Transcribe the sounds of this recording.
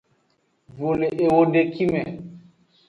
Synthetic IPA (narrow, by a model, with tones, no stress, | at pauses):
vo˨le˨ʔe˨wo˨ɖe˨ki˦mɛ̃˨